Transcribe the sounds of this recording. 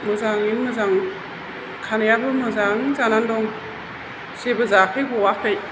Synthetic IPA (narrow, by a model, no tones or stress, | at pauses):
mɯzaŋinmɯzaŋ | kʰanajabɯmɯzaŋzanandɔŋ | sebɯzakʰɯjbɔwakʰɯj